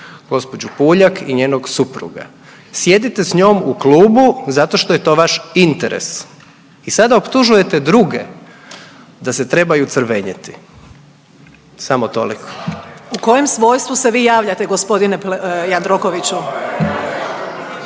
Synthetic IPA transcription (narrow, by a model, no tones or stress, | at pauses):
ɡo̞spo̞d͡ʑupuːʎakʰiɲe̞ːnoɡsupɾṵɡa̰ | sje̞d̪it̪esɲo̞ːmuklˠuːbuzat̪o̞ʃt̪ojet̪o̞ːʋaʃint̪eɾḛs | isad̪aopt̪uʒuje̞t̪e̞d̪ɾuɡḛ | d̪ase̞t̪ɾe̞bajut̪sr̩ʋeɲit̪i̥ | samot̪o̞̰likʰo̥uko̞jemsʋo̞ːjst̪ʋuseʋiːjaːʋʎat̪eɡospo̞d̪inejand̪ɾokoʋit͡ɕu